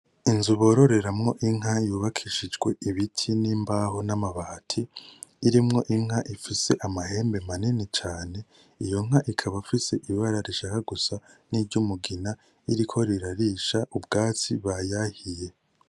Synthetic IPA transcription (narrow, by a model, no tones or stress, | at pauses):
inzuβo̞ːɾo̞ɾe̞ɾamŋo̞ʔiŋ̥ɦajuːβakʰiʃid͡ʒɡwe̞iβitʰiniːmbaːɦo̞namaβatʰiːɾimŋo̞ʔiŋ̥haʔifise̞̰ʔamahe̞ːmbe̞maninit͡ʃaːne̞ | ijo̞ŋ̥ɦaʔikʰaβafise̞ʔiβaɾaɾiʃakaɡusaniːɾɟumuɡina | iɾikʰo̞ɾiɾaɾiːʃaʔubɡaːt͡siβajahije̞